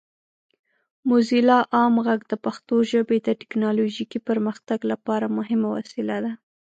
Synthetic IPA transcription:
mʊzilɑʔɑmɣaɡd̪əpaxt̪oʒəbed̪əʈɪ̥knɑloʒikipəɾməxt̪aɡlapɑɾamʊɦɪmawa̰sɪlad̪a

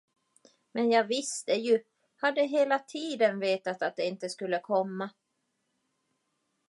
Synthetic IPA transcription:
mɛnjɑːɡvɪst̪əjɵ | had̪ːəɦeːlat̪ʰiːd̪ənveːt̪at̪at̪̚d̪ɛɪnt̪əskɵlːəkʰɔmːa

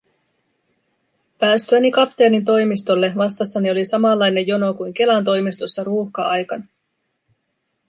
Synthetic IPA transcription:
pæːst̪yænikɑpt̪eɑnint̪o̞jmist̪o̞lːe̞ʋɑst̪ɑsːɑnio̞lisɑmɑlːɑjne̞jo̞no̞kujŋke̞lɑnt̪̬o̞jmist̪o̞sːɑɾuːxkɑɑjkɑn

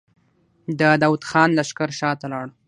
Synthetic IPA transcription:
d̪əd̪awut̪xɑnlaʃkaɾʃɑt̪alɑɽ

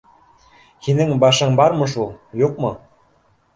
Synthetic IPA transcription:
hinɘŋbɑʃɤ̆ɴbɑɾmɤ̆ʃ̬ulˠjuq̚mŏ

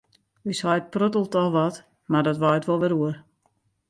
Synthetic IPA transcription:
yshɔjt̚prøtəlˠtɔʋɔt | mardɔtʋɔjtʋolˠʋɛɾuər

